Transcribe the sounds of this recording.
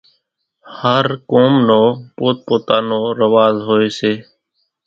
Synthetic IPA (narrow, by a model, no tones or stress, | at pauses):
həɾkoːmnoːpoːt̪̚poːt̪aːnoːɾəʋaːzɦoːeːseː